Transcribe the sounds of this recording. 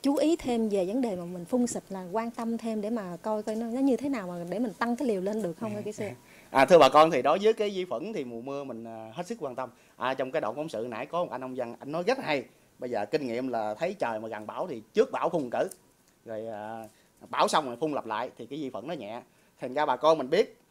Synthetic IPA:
t͡ɕu˨˦ʔi˨˦t̪ʰe˧mve˨˩və˨˦nɗe˨˩maː˨˩mï˨˩ŋ̟fʊ˧wŋ͡msi˨˩t̚laː˨˩kwaː˧nt̪ə˧mt̪ʰe˧mɗe˧˩maː˨˩kɔ˧jkɔ˧jnɔ˨˦nɔ˨˦ɲɨ˧t̪ʰe˨˦naː˨˩wmaː˨˩ɗe˧˩mï˨˩ŋt̪a˧ŋkaː˨˦jli˨˩əwle˧nɗɨ˨˩ək̚hə˧wŋ͡mə˨˧ki˨˦sɨ˧ | ʔaː˨˩t̪ʰɨ˧ɓaː˨˩kɔ˧nt̪ʰi˨˩ɗɔ˨˦zəɨ˨˦jkaː˨˦jzi˧fə̰˧˩˥nt̪ʰi˨˩mu˨˩əmɨ˧əmï˨˩ŋ̟ʔːɦe˦˥t̚sɨ˦˥k̚kwaː˧nt̪ə˧m | ʔaː˨˩t͡ɕɔ˧wŋ͡mkaː˨˦jɗo̰˧˨ŋ͡mkfɔ˨˦wŋ͡msɨ̰˧˨na̰ː˧˥jkɔ˨˦˨ʔa˧jnʔɔ˧wŋ͡mza˧ŋʔa˧jŋ̟nɔ˨˦jɣə˦˥t̚ha˧j | ɓə˧jzəː˨˩kï˧ŋ̟ŋḭ˧˨əmlaː˨˩t̪ʰə˨˦jt͡ɕəː˨˩jmaː˨˩ɣa˨˩nɓaː˧˩wt̪ʰi˨˩t͡ɕɨ˦˥ək̚ɓaː˧˩wxʊ˧wŋ͡mkɨ̰˧˩ | zo˨˩jʔaː˨˩ | ɓaː˧˩wsa˧wŋ͡ma˨˩jfʊ˧ŋ͡mlə˨˩p̚la̰ː˧˨jt̪ʰi˨˩kaː˨˦jzi˧fə̰˧˩nɔ˨˦ɲɛ̰˧˨ | t̪ʰa˨˩nzaː˧ɓaː˨˩kɔ˧nmi˨˩ŋ̟ɓi˦˥ət̚

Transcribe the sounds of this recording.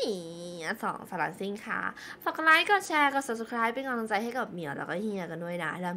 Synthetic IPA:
a˧˩sɔ̰ː˨˩˦ŋsʰaː˧laː˧˩si˥˩ŋkʰa̰˥˩ | fa˨˩klaː˦˥jkɔː˥˩t͡ɕʰɛː˧kɔ˨˧˩sa˨˩p̚sa˧kʰɾaː˦˥jpe˧nkɔː˧ŋlo˧ŋt͡ɕa˧jɦa˥˩jka˨˩p̚mi˨˦əwlɛ̰ː˦wkɔː˥˩hi˧ə˧ka˧ndu˥˩əjna˦˥lɛː˧˩

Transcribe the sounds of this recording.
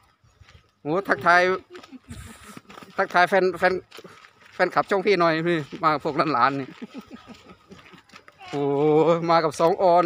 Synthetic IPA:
hoː˨˦t̪ʰa˧˥k̚t̪ʰaː˧j | t̪ʰa˧˥k̚t̪ʰaː˧jfɛ˧nfɛ˧n | fɛː˧nkʰa˨˩p̚t͡ɕʰɔ˥˩ŋpʰiː˥˩nɔ˨˩jiː˧˩maː˧ka˨˩pʰu˥˩k̚laː˧˥˨nlaː˨˦nːiː˧˩ | ʔoː˨˩maː˧ka˨˩p̚sɔː˨˩˦ŋʔɔː˧n

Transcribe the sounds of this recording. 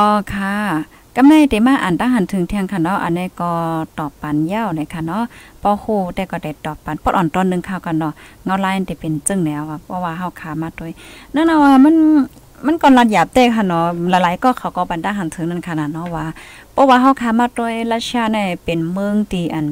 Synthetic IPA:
ʔɔː˧kʰa˧˩ | ka˧mna˧˨jda˨˩maː˧˨ʔa˨nd̪a˧˨ŋɦa˧˨nt̪ʰɯ˨˦ŋt̪ʰɛː˧˨ŋkʰa˧˩nːɔ˧˦ʔa̰˨nːa˧˨jkɔː˧˩t̪ɔː˨˩pːa˨nja˧˥˨wna˧˩jkʰa˧˩nɔ˧˥˨pʰɔː˧huː˧˩t̪ɛː˧˩kɔː˧˩da˧˨˩jt̪ɔː˨˩pːa˨npʰɔ˧ʔɔː˨nt̪ɔː˨nːɯ˧˨ŋkʰaː˧˩wka˧˩nɔ˧˩ŋa˧˨laː˧jda˧˩pe˨nt͡ɕɯ˧˨ŋnɛ˧˨˧wa˧˩pʰɔ˧˨waː˧ɦa˧˩wkʰaː˧˩maː˧t̪o˧˩˨jna˧˥˨na˧waː˧ma˧˥˨n | ma˧˥˨nkɔː˧˨nla˧t̪̚jaː˨˩p̚t̪ɛː˧˨kʰa˧˩˨nːɔ˧la˨˦la˨˦jkɔː˧˩kʰa˨˩wkɔ˧˩ba˨ndaː˧˨ŋɦa˨˩nt̪ʰɯ˧˨˦ŋna˧˥˨nkʰa˧˨na˧˩nɔ˧˨waː˧˨pʰɔ˧˦waː˧ɦa˧˨wkʰaː˧˨maː˧˨t̪̚do˧˨jla˧si˧a˧na˧˨pe˨nmɯ˧˨ŋt̪iː˧˩ʔa˨˩n

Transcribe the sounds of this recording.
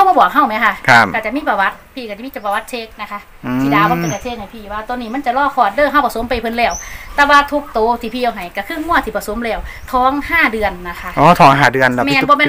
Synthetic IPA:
kʰa˧˩wmaː˧˩bɔː˨˩k̚ɦa˧˩wma˧˥˦kʰa˧˩kʰa˧˩ka˧˩t͡ɕa˨ʔmiː˧˥pa˧wa˦˧˥t̪̚pʰiː˧˩ka˧˩t͡ɕmiː˧˥˨t͡ɕo˨˩pa˧wa˦˧t̪̚t͡ɕʰeː˦˧˥k̚na˧˥kʰa˧ | t̪ʰiː˧˨daː˧˨waː˧˥a˨ka˧˩t͡ɕʰeː˧˩k̚ha˨˩jpʰiː˧˩waː˧t̪o˧˨niː˧˩m˧˥˨nt͡ɕa˨˩lɔː˧˩kʰɔː˧˩t̪̚dɤː˧˩ɦa˧˩wpa˧˩so˨˦mpa˧˩jpʰɤ˧˨nlɛː˧˩wt̪ɛː˧waː˧t̪ʰu˧k̚t̪oː˨˩t̪ʰiː˧˩pʰiː˧ʔwɦa˨˩jka˧˩kʰɯː˧˩˨ŋu˧˥˩ɐt̪ʰiː˧˩pa˧so˨˦mlɛː˧˩w | t̪ʰɔː˧˥ŋhaː˧˥˩dɯ˧ənːa˧˩kʰa˧˥ʔʔɔː˧˩t̪ʰɔː˨˦ŋɦaː˧˩dɯ˧ən˦˧mɛː˧nbɔː˧˦mɛː˧˨

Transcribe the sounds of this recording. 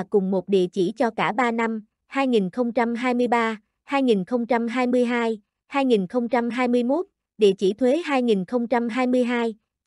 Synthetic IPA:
kʊ˨˩ŋ͡mmo˨˩t̚ɗḭ˧˨ət͡ɕi˧˩t͡ɕɔ˧kaː˧˩ɓaː˧na˧m | haː˧jŋi˨˩nxə˧wŋ͡mt͡ɕa˧mɦaː˧jmɨ˧əjɓaː˧ | haː˧jŋi˨˩nxə˧wŋ͡mt͡ɕa˧mɦaː˧jmɨ˧əjɦaː˧j | haː˧jŋi˨˩nxə˧wŋ͡mt͡ɕa˧mɦaː˧jmɨ˧əjmo˦˥t̚ | ɗḭ˧˨ət͡ɕi˧˩t̪ʰwe˨˦ɦaː˧jŋi˨˩nxə˧wŋ͡mt͡ɕa˧mɦaː˧jmɨ˧əjɦaː˧j

